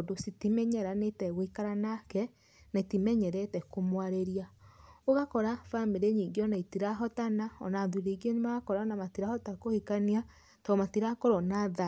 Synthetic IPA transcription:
dositimɛɲɛɾanetɛɣoikaɾanakɛ | naitimɛɲɛɾɛtɛkomwaɾeɾiaoɣakɔɾafameɾeɲiŋɡeɔnaitiɾaɦɔtanaɔ̰naðuɾiɣenemaɣakɔɾanamatiɾahɔtakohikania | tɔmatiɾakoɾɔnaða

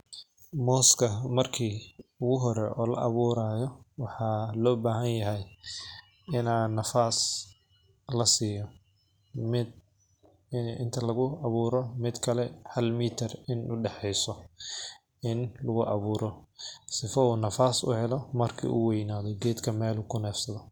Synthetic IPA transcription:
mɔːskʰɐmɐrkʰiːʊɣʊɦɔɾɛʔɔːlɐ̰ʔɑβuːɾaːjɔwɑħɑːlɔːbaːɦɐnjɐɦɛj | ɪnaːnɐfaːs | lɐsiːjɔ | mɪd̪ | ɪ̰nt̪ʰɐlɐɣʊɐβuːɾɔmɪd̪kʰɐlɛhɐlmiːt̪ʰɐrɪnʊɖɛħɛjsɔ | ɪnlʊɣʊʔɑβuːɾʔɔsɪfɐuːnɐfaːsʊ̰hɛlɔmɐrkʰḭːʔṵwɛjnaːðɔɡɛːd̪kʰɐmɛːlukʰʊnɛːfsɐðɔ

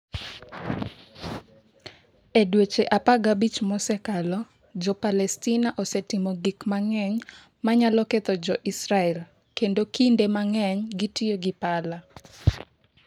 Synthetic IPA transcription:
edwet͡ʃeʔapaɡabit͡ʃmɔsɛkalɔ | d͡ʒɔpalɛstinaʔosɛtɪmɔɡikmaŋɛɲ | maɲalɔket̪ɔd͡ʒɔʔisɾaɛl | kendokindemaŋɛɲɡitieɡɪpala

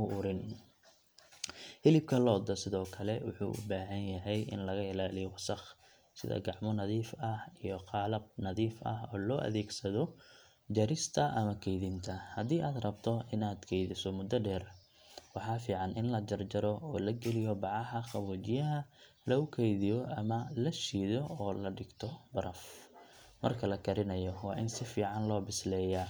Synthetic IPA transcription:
ʊʔʊɾɪn | hɪlɪb̚kʰɐlɔːd̪ɐsɪðɔːkʰɐlɛwʊ̰ħṵːʔʊ̰baːɦɐnjɐɦɛjʔɪ̰nlɐɣɐɪlaːlɪjɔwɑsɑχ | sɪ̰ðɐ̰ɡɑʕmɔnɐðiːfɐhijɔqɑːlɐb̚nɐðiːfɐ̰ɦɔːlɔːʔɐ̰ðɛːɡsɐðɔ | d͡ʒɐɾɪst̪ʰɐʔɐmɐkʰɛjðɪnt̪ʰɐhɐd̪iːʔaːd̪rɐbt̪ʰɔɪnaːd̪kʰɛjðɪsɔmʊd̪ɐɖɛːr | wɑħɑːfiːʕɑnʔɪnlɐd͡ʒɐrd͡ʒɐɾɔɔːlɐɡɛlɪjɔbɑʕɑhɐχɑβuːt͡ʃɪjɐɦɐ | lɐʊkʰɛjðijɔʔɐmɐlɐʃiːðɔɔːlɐɖɪɡt̪ʰɔbɐɾɐf | mɐ̰rkʰɐlɐkʰɐɾɪnɐjɔwɑːʔɪnsɪfiːʕɑnlɔːbɪslɛːja

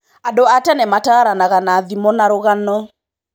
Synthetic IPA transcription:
adoatɛnɛmataɾanaɣanaðimɔnaɾoɣanɔ

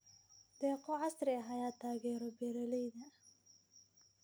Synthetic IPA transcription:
d̪ɛːqɔʕɑsɾɪɐɦɐjaːt̪ʰaːɣɛːɾɔbɛːɾɐlɛjðɐ

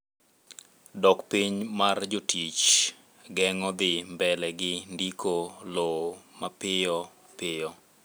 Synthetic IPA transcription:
dɔkpiɲmard͡ʒotʰit͡ʃ | ɡɛŋɔd̪ɪmbɛlɛɡɪndikʰolomapɪjɔ | pɪjɔ

